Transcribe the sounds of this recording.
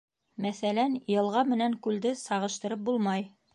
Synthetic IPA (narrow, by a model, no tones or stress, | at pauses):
mæθælænjɤ̆lˠʁɑmɘ̆næŋkʉld̪ɘsɑʁɤ̆ʃt̪ɤ̆ɾɤp̚bulˠmɑj